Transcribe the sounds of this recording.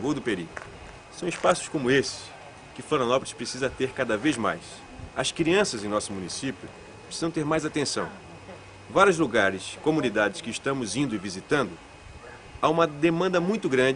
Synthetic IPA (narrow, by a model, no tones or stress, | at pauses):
owd̪ʊpeɾḭ | sɐ̃w̃ispasʊ̥skõmʊesɪ̥s | kɪflɐ̃nanɔwpɾɪspɾesizɐt̪eɾkad̪ɐvezma̰js | ɐskɾiɐ̃sɐzẽj̃nɔsʊmũnisipjʊ | pɾesizɐ̃w̃t̪eɾmajzat̪ẽsɐ̰̃w̃ | vaɾjʊzluɡaɾɪskomunid̪ad͡ʒɪskɪːʃt̪ɐ̃mʊzĩnd̪ʊivizit̪ɐ̃nd̪ʊ | aũmɐd̪emɐ̃nd̪ɐmũj̃t̪ʊɡɾɐ̃d͡ʒ